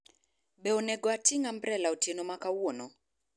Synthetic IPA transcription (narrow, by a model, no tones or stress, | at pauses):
bɛɔnɛɡɔatiŋambɾɛlaotjenomakawono